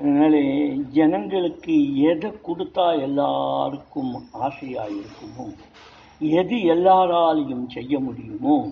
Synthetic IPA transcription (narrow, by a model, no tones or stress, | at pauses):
ɛnɐnaːɭeːd͡ʒɛnɐŋɡɐɭɯkːɯɛðɐkːʊɽɯt̪ːaːlɛlːa̰ːɾɯkːɯmaːsɪja̰ːjɪɾɯkːɯmo | ɛðɯɛlːaːɾaːlɐjɯmsɛjːɐmʊɽɪjɯmoː